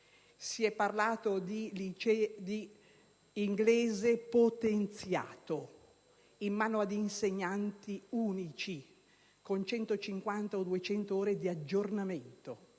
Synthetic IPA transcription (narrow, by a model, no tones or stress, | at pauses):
siɛpːarlaːt̪od̪ilit͡ʃd̪i | iŋɡleːzepot̪ent̪sja̰ːt̪o | imːaːnoad̪inseɲːant̪iuːnit͡ʃi | kont͡ʃɛnt̪ot͡ʃiŋkwant̪aod̪uet͡ʃɛnt̪ooːɾed̪iad͡ʒːornament̪o